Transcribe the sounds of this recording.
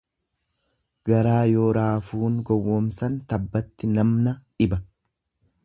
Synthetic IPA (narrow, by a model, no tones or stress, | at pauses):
ɡɐɾaːjoːɾaːfuːŋɡɔwːɔmsɐnt̪ɐbːɐt̪ːɪnɐmnɐᶑɪbɐ